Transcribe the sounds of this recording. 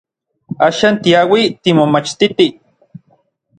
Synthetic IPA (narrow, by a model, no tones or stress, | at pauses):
aːʃaːnt̪iawit̪imomat͡ʃt̪it̪i